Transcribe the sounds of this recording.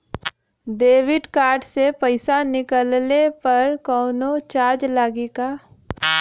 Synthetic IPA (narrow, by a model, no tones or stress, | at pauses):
d̪eːwɪɖkaːɾɖsepəɪsanɪkəlnepɐɾkɔːnot͡ʃaːɾd͡ʒlaːɡikaː